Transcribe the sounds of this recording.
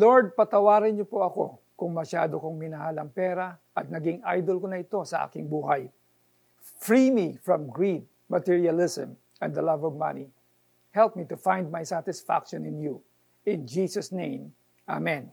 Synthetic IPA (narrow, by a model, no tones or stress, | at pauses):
loɹd̪̚pɐt̪ɐwaːɾɪnɲopoʔɐko̞̰ | kʊŋmɐʃaːd̪okoŋmɪnɐɦalɐŋpɛɾaʔɐt̪̚nɐɡɪŋa̰jd̪olkonɐɪt̪o̞sɐʔa̰ːkɪŋbuːɦɐj | fɹimifɹɐ̃mɡɹit̪̚ | mɐt̪iɹiɐlɪsɛ̰̃m | ɛ̃nd̪ɐlɐvɔvmɐ̰ni | hɛlp̚mit̪ʊfãjnd̪̚majsat̪ɪsfa̰kʃɔ̃nɪ̃nju | ɪ̃nd͡ʒiːsɐsnẽj̃m | ʔa̰mɛ̃n